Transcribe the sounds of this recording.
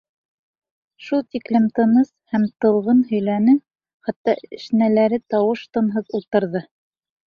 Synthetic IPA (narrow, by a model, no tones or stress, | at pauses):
ʃulˠt̪iklɘmt̪ɤ̆nɤshæmt̪ɤ̆lˠʁɤnhɵ̆jlænɘ | χæt̪ːɑɘ̆ʃnælæɾɘt̪ɑwɤʃt̪ɤ̆nɦɤðulˠt̪ɤ̆ɾðɤ